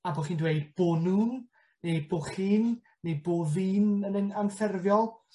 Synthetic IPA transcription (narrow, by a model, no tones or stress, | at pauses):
aboχiːndwejdb̥oːnuːn | nejboχiːnː | ejboːviːnənənanfɛrvjɔlˠ